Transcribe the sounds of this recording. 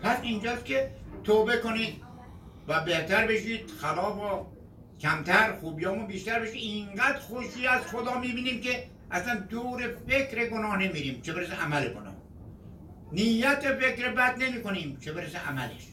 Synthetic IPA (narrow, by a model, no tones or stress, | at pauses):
pʰæsind͡ʒɒːskʲʰet̪ʰoːbe̞koniːd̪ | væbeht̪æɾbe̞ʃiːd̪̥xælɒːfo | kʲʰæmt̪ʰæɾxuːbijɒːmʊbiːʃt̪æɾbeʃiːd̪iŋɡæd̪ɾxoʃiːæz̥χod̪ɒːmiːbiːniːmke | ʔæslænd̪oːɾefekɾeɡonɒːhnemiːɾiːmt͡ʃʰebeɾes̬eʔæmæleɡonɒ̰ːh | nijːæt̪efe̞kɾebæd̪nemiːkoniːmt͡ʃʰebeɾeseʔæmælḛʃ